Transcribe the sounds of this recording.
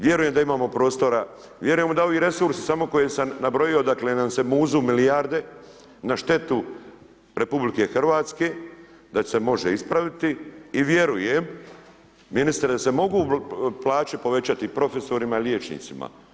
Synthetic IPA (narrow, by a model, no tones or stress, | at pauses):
ʋje̞ɾuje̞md̪aimaːmo̞pɾo̞ːst̪o̞ɾa | ʋje̞ɾujemud̪ao̞ʋiːɾe̞suɾsi̥samo̞ko̞jesamnabɾo̞jio̞d̪aklenase̞muːzumilijaɾd̪e̞ | naʃt̪e̞t̪u | ɾe̞publike̞xr̩ʋaːt̪ske̞ː | d̪ase̞mo̞ʒeispɾaʋit̪iːʋje̞ɾuje̞m | minist̪ɾed̪ase̞mo̞ɡuːplˠaːt͡ʃipo̞ʋe̞t͡ɕat̪ipɾo̞fe̞so̞ɾimailʲjeːt͡ʃnḭːt̪sima̰